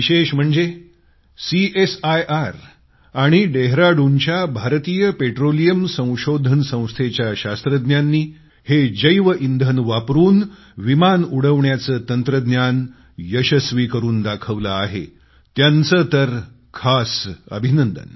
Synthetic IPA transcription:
ʋiɕeɕm̤əɳd͡ze | siesajʔaɾ | aɽ̃iɖeɦɾaɽuɲt͡ɕjabʱaɾt̪iːjəpeʈɾolijəmsə̃w̃ɕod̪ʱənsə̃w̃st̪ʰet͡ɕjaɕast̪ɾəd̪njanːiː | hed͡ʑəjʋəʔind̪ʱənʋapɾuːn | ʋimanuɽ̤əʋɳjat͡səːt̪ənt̪ɾəd̪njan | jəɕəsʋiːkəɾuːnd̪akʰəʋlaːɦḛ | t̪jant͡sət̪əɾ | kʰasə̰bʱinənd̪ə̰n

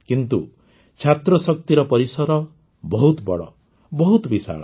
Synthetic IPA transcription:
kint̪ṵ | t͡ʃʰat̪ɾɔsɔk̚t̪iɾɔpɔɾisɔɾɔ | bɔɦut̪bɔ̰ɽɔ̰ | bɔɦut̪bisa̰ɭɔ

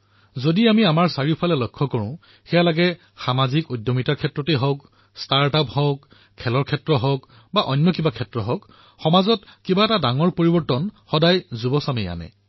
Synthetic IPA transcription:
zodiamiamaɹsaɹipʰalɛlɔkʰːɔkɔɹʊ̃ | xɛjalaɡɛ | xamazikojdjɔmitakʰɛtɹɔteɦɔk | staɹtapɦɔk | kʰːɛlɔɹkʰɛtɹɔɦɔk | baʔɔnːɔkibakʰɛtɹɔɦɔk | xɔmazɔtkibaɛtadaŋɔɹpoɹibɔɹtɔnxɔdajzubɔsamɛja̰nɛ̰

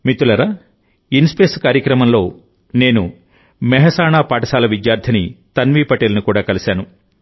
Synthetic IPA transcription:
mit̪ːulɐɾaː | inspeːskaːɾjɐkɾɐmɐmlo̞ː | ne̞ːnu | mɛɦɐsaːnaːpaːʈɐsaːlɐʋid̪jaːɾd̪ʰʱɐnit̪ɐnʋiːpɐʈeːlɐnikuːɽaːkɐlisaːnu

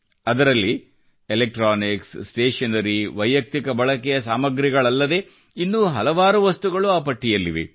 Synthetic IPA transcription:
ɐd̪ɐɾɐlːi | elek̚ʈɾaːniksːʈeːʂɐnɐɾiʋɐjjɐk̚t̪ikɐbɐɭɐkɛjɐsaːmɐɡɾiɡɐɭɐlːɐd̪e̞ | inːuːɦɐlɐʋaːɾuʋɐst̪uɡɐɭuaːpɐʈʰːijɐlːiʋḭ

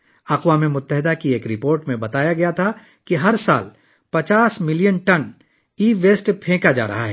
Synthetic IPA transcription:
ɐqwaːmemʊt̪ːəɦɪd̪akieːkɾɪpoːɾʈmẽbɐt̪aːjaɡɐjat̪ʰa | kiɦɐɾsa̰ːl | pɐt͡ʃaːsmɪlijənʈɐn | iːʋeːsʈpʰẽːkad͡ʒa̰ːɾɐ̰ɦa̰ɦɛː

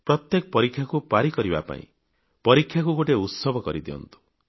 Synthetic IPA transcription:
pɾɔt̪jekɔpɔɾikʰːjakupaɾikɔɾiba̰pa̰ḭ̃ | pɔɾikʰjakuɡoʈeut̪sɔbʱɔkɔɾid̪iɔ̰nt̪u̥

